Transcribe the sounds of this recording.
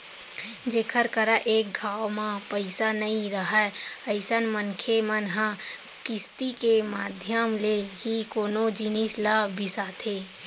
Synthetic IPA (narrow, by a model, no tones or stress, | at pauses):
d͡ʒeːkʰəɾkəɾaʔeːk̚ɡʱaːwmãpəɪsanəɦĩɾəɦɛəɪsənmənkʰemənɦã | kɪst̪ikemaːd̪ʱjəmleɦikoːnod͡ʒɪnislabɪsat̪ʰeː